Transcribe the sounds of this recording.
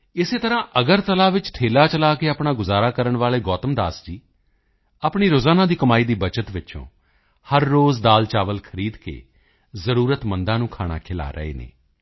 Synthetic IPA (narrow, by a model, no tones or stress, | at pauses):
ɪseːt̪əɾãːʔəɡəɾt̪əlaːʋɪt͡ʃʈʰeːlaːt͡ʃəlaːkeːaːpɳaːɡʊzaːɾaːkəɾəɳʋaːleːɡɔːt̪əmd̪aːsd͡ʒiː | aːpɳiːɾoːzaːnãːd̪iːkəmaːiːd̪iːbət͡ʃət̪ʋɪt͡ʃõ̰ː | həɾːoːzd̪aːlt͡ʃaːʋəlkʰəɾiːd̪kḛː | zəɾuːɾət̪mənd̪ãːnũːkʰaːɽ̃a̰ːkʰɪla̰ːɾə̰ḛːnḛː